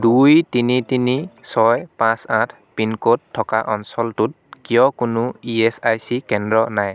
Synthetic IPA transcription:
dujtinitinisɔjpãsãtʰ | pinkotʰːɔka̰ʔɔnsɔltut̚kijɔkʊnʊiɛsajsikɛndɹɔnaj

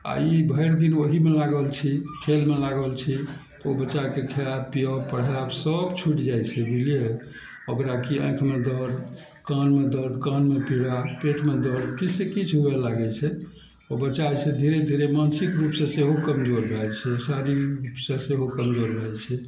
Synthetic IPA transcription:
a̰ibʱəɪɾd̪inoɦimelaɡəlt͡ʃʰiʈʰelmelaɡəlt͡ʃʰit̪obətːt͡ʃːakekʰijabpijəbpəɽ̤jabsəbt͡ʃʰuʈd͡ʒajt͡ʃʰɛbʱilie | əkɾakiə̰̃j̃kʰmed̪əɾ | kanmed̪əɾkanmepiɽapeʈmed̪əɾkit͡ʃʰsẽkit͡ʃʰɦuɛlaɡɛt͡ʃʰɛ | ɔbətːt͡ʃat͡ʃʰẽd̪ʱiɾed̪ʱiɾemansikɾupsẽseɦokəmd͡ʒoɾbʱɛt͡ʃʰɛsaɾiɾɾupsẽseɦokəmd͡ʒoɾɾəɦɛt͡ʃʰɛ

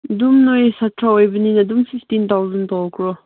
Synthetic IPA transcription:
d̪umnɔjsatʰɾaɔjbəninɐd̪umfiftint̪ʰawzɐnt̪ɔlkʰɹɔ

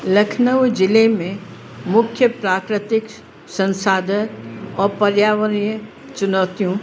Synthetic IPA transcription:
lɐkʰnəʋd͡ʒɪlemẽ | mʊkʰjəpɾaːkɾɪt̪ɪk | sɐ̃nsaːd̪ʱənɔːɾpɐɾjaːʋəɾijə | t͡ʃʊnaːt̪ijõ

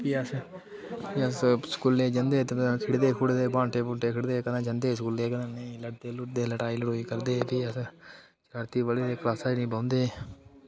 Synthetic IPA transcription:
piəs | iəskuleːd͡ʒənd̪eːt̪ekʰɪɽd̪eːkʰʊɽd̪eːbãːɳʈeːbʊ̃ːʈeːkʰɪɽd̪eːkənãːd͡ʒənd̪eːskuːleːkənãːneĩləʈd̪eːlʊʈd̪eːləʈaːiːlʊʈɦoːiːkəɾd̪eːpiːəs | t͡ʃəɾt̪iːʋəliːd̪eːklaːsaːinĩːbãːnd̪eː

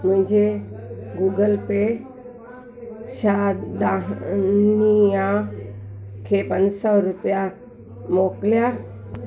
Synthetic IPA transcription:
mʊ̃ɦɪ̃ɲd͡ʑe | ɡuːɡəlpe | ʃad̪a | nijã | kʰepənsɔɾʊpja | moklja

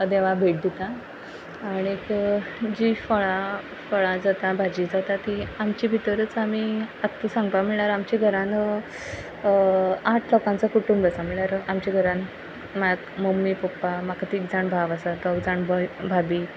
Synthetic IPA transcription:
d̪eʋabʱeʈ̚d̪it̪aː | ɽ̃iekd͡ʑifɔɭa | fəɭad͡zat̪abʱad͡ʑid͡zat̪at̪iamt͡ɕibʱit̪əɾət͡samiat̪ːəsãŋɡpamiɭaɾamt͡ɕiɡʱəɾãnə | aʈʰlɔkãnt͡sakuʈʰuːnbəsamiɭaɾamt͡ɕiɡʱəɾãn | maɡmomːipɔpːamakat̪iːkd͡zaɳbʱaʋasat̪ɔkd͡zaɳbəbʱabiː

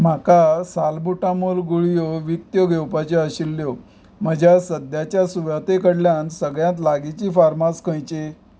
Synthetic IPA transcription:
m̤akasalbuʈamulɡuɭijoʋik̚t̪joɡʱewpat͡ɕeəɕilːjo | m̤əd͡ʑasəd̪jat͡ɕjasuʋjat̪ekəɽljãnsəɡɭjãt̪̬laɡit͡ɕiːfaɾmaskʰə̃jt͡ɕe

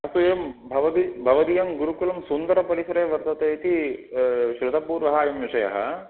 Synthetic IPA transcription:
ɐst̪ujɐmbʱɐʋɐd̪ibʱɐʋɐd̪ijɐmɡuɾukulɐmsund̪ɐɾɐpɐɾisɐɾeːʋɐɾt̪ɐt̪eːt̪i | ʃɾud̪ʱɐpuːɾʋɐɦɐːjɐmjiʂɐjɐ̰ɦɐ̰

